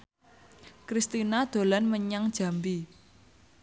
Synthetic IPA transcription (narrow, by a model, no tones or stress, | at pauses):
kɾist̪inad̪̥o̤lanməɲaŋd̥ʒ̥ä̤mbi